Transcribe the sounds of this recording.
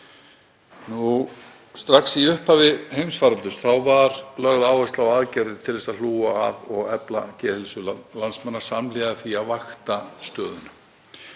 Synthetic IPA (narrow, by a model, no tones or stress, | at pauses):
nu | st̪ɾaksiʏhphavɪhejmsfaɾalt̪ʏsθawvaɾlœɣðaːwvɛst̪lawaðcaɾðɪt̪ʰɪlðɛsaðl̥uːaa̰ðɔɣɛpla̰cɛːθɪlsʏllansmanːaɾ̥samlɛːɣaðɪθiaðvaxt̪ast̪œːðʏnʏ